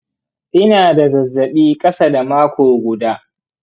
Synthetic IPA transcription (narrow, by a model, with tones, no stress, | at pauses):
ʔɪ˦naː˨da˨zɐ˨zːɐ˨ɓiː˦kʼɐ˦sa˦da˨maː˦kʷoː˨ɡʷʊ˨daː˦